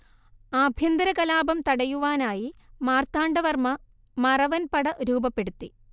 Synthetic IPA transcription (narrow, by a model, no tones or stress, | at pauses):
aːbʱjɐnd̪ɐɾɐkɐlaːbɐmt̪ɐɽɐjuʋaːnaːjimaːrt̪ːaːɳɖɐʋɐrmɐ | mɐrɐʋɐnpɐɽɐɾuːbɐpːeɽut̪ːi